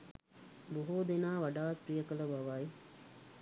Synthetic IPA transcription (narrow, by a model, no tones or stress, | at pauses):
buɦuːd̪enaːʋaɖaːt̪̚pɾijəkələbaʋaj